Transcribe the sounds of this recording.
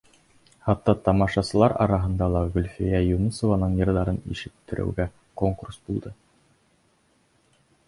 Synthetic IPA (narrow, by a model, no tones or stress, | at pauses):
hɑt̪ːɑt̪ɑmɑʃɑsɤ̆lˠɑɾɑ̰ɾɑɦɤ̆nd̪ɑlˠɑʁɵlʲfijæjunusovɑnɤɴjɤ̆ɾðɑɾɤnḭʃɘ̆k̚t̪ːɘ̆ɾɘ̰wɡæ | koŋkursbulˠd̪ɤ